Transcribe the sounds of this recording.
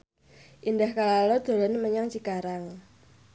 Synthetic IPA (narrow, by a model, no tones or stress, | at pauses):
ʔindahkalalɔd̪̥o̤lɔnməɲaŋt͡ʃikaɾaŋ